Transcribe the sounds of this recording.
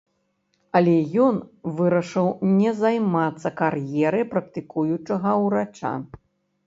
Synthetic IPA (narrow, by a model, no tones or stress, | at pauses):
ɐlʲɛjɔnvɨɾɐʂɨwnʲɛzajmat̪sːɐkarjɛɾɨjpɾɐk̚t̪ɨkujut͡ʂɐɣɐwɾat͡ʂa̰